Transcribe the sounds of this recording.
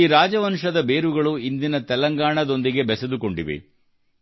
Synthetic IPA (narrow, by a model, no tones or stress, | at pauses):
iːɾaːd͡ʒɐʋɐnʂɐd̪ɐbe̞ːɾuɡɐɭuind̪inɐt̪ɛlɐŋɡaːɳɐd̪o̞nd̪iɡe̞bɛsed̪uko̞ɳɖiʋḛ